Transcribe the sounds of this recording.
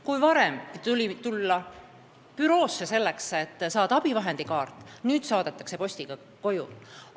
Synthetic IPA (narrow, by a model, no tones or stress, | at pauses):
kujvɑɾemt̪ulʲit̪ulːɑ | pyɾo̞ːsːese̞lːekse̞t̪ːsɑːd̪ɑɑb̥ivɑɦe̞nd̪̥ikɑːrt̪ːˑnyːd̪̥sɑːd̪̥et̪ːˑɑ̥kse̞po̞sʲt̪iɡ̥ɑ | ko̞jṵl